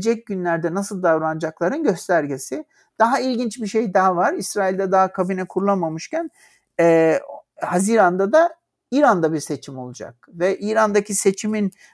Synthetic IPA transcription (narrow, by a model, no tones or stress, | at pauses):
d͡ʒɛc̚ɟynlʲæɾd̪ɛnasɯlˠd̪avɾand͡ʒaklˠaɾɯnɟø̞st̪ʰæɾɟesi | d̪̥aɦailʲɟint͡ʃbiʃe̞jd̪aɦavaɾisɾaːilʲd̪ɛd̪aɦakʰabinɛkʰuɾulˠamamɯʃcæn | ɛːhaziːɾand̪ad̪a | iːɾand̪abiɾse̞t͡ʃʰimo̞lˠud͡ʒa̰k̚vɛʔiːɾand̪acʰise̞t͡ʃʰimin